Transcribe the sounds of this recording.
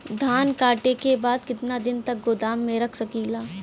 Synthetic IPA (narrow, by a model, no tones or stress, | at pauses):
d̪ʱaːnkaːʈekebaːd̪kɪt̪nad̪ɪnt̪ɐk̚ɡod̪aːmːẽɾɐkʰsɐkilaː